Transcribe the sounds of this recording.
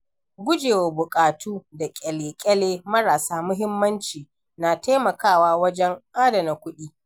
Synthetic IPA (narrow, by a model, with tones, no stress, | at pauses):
ɡʷʊ˦d͡ʒeː˨woː˨bʊ˨kʼaː˨tʰuː˦da˨kʲʼɛ˨leː˨kʲʼɛ˦leː˦mɐ˦ɾaː˨saː˦mʊ˦ɦɪ˦mːɐ˦nt͡ʃiː˨ | naː˨taː˦mɐ˨kaː˦˨waː˦wɐ˦d͡ʒɛ˦ŋʔaː˦dɐ˨na˨kʷʊ˦ɗiː˦